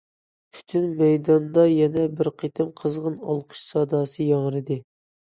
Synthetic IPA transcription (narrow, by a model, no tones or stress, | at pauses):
pʰy̥t̪ʰynmɛjd̪ɑnd̪ɑjɛnɛbɪɾqʰet̪ʰɪmqʰəzʁənɑ̰lˠqʰə̥ʃsɑd̪ɑːsɨjɑŋɾɨd̪ɨ